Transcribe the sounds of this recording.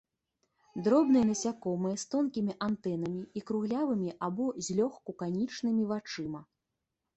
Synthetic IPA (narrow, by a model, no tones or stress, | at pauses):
d̪ɾɔbnɨjnɐsʲakɔmɨjɛst̪ɔnkʲimʲiʔant̪ɛn̪ɐmʲiikɾuɣlʲavɨmʲiʔabɔzʲlʲɔxkukanʲit͡ʂnɨmʲivat͡ʂɨmɐ